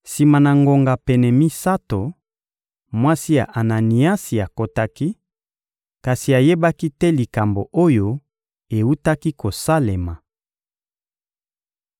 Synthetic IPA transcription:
si˨ma˨na˨ŋɡo˨ŋɡa˨pɛ˨nɛ˨mi˦sa˦to˨ | mwa˦si˦ja̰˨ʔa˨na˨ni˨a˦si˨a˨ko˦ta˦ki˦ | ka˨si˨a˨je˦ba˦ki˦tɛ˦li˨ka˨mbo˨ʔo˦jo˦ | e˨u˦ta˦ki˦ko˨sa˦le˨ma˨

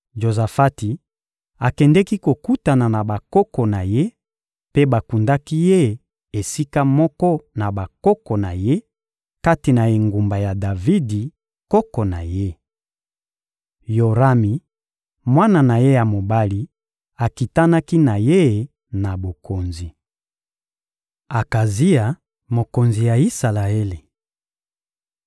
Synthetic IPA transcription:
ʒo˨za˨fa˦ti˨ | a˨kɛ˨ndɛ˦ki˦ko˨ku˦ta˨na˨na˨ba˨kɔ˦kɔ˨na˨je˦ | pe˦ba˨ku˨nda˦ki˦je˦˨ | e˨si˦ka˦mɔ˦kɔ˦na˨ba˨kɔ˦kɔ˨na˨je˦ | ka˦ti˨na˨e˨ŋɡu˨mba˨ja˨da˨vi˦di˨ | kɔ˦kɔ˨na̰˨je˦ | jo˨ʁa˦mi˨ | mwa˦na˨na˨je˦ja˨mo˨ba˦li˦ | a˨ki˨ta˦na˦ki˦na˨je˦˨ | na˨bo˨ko˨nzi˨ | a˨ka˨zi˦a˨ | mo˨ko˨nzi˨ja˨i˦sa˨la˨e˦li˨

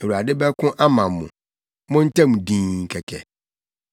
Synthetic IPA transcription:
ɛ˨wu˨a˨dɪ˦bɛ˦kʰʊ̃˦ʔa˦mã˨mː˨ʊ̰̃˨ | mʊ̃˦n̩˦tʰɛ̃˦mũ˨dĩː˦ŋ̩˨kʰɛ˨kʰɛ̰˨

